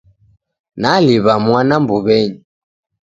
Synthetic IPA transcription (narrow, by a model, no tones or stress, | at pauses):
naliβamwanambuβɛɲi